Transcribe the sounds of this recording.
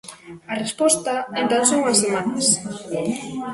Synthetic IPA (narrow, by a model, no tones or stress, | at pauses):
ɐrespɔst̪aent̪ansoŋasemanas